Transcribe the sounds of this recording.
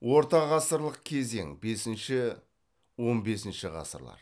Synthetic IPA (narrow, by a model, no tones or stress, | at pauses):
wʔo̞ɾt̪ɑʁɑsəɾlˠəqkʲʰe̞ze̞̰ŋbe̞sɪnʃɪ | wo̞nbe̞sɪnʃɪʁɑ̰sə̰ɾlˠɑ̰ɾ